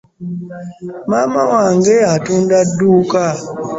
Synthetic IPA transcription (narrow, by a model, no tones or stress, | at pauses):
mamawaŋɡɛatundaduka